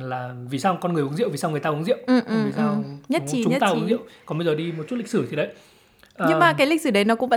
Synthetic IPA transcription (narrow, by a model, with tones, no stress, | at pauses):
laː˨˩vi˨˩saː˧wkɔ˧nɨ˨˩əjʔʊ˨˦nzḭ˧˨wvi˨˩saː˧wŋɨ˨˩əjt̪aː˧ʔʊ˨˦nzḭ˧˨wʔɨ˨˩ʔi˨˩sːwɲə˦˥t̚t͡ɕi˨˩t͡ɕʊ˨ɲə˦˥t̪aː˧ʔnzḭ˧˨wkɔ˨˦ɓə˧jzəː˨˩ɗi˧mo˨˩t̚t͡ɕu˦˥tli˨˩k̚sɨ˧˩t̪ʰi˨˩ɗə˨˦j | ʔəɲːɨ˧˩ŋmaː˨˩kaː˨˦jli˨˩k̟̚sɨ˧˩ɗə˨˦jnɔ˨˦kʊ̰˧˥ŋ͡mvə˧˥